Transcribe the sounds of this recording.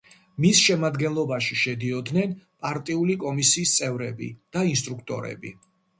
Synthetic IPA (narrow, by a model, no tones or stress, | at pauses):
misʃɛmad̪ɡɛnlˠɔbaʃiʃɛd̪iɔd̪nɛnpʼaɾt̪ʼiulikʼɔmisiːst̪sʼɛvɾɛbḭd̪̥ainst̪ʼɾukʰt̪ʼɔ̰ɾɛ̰bḭ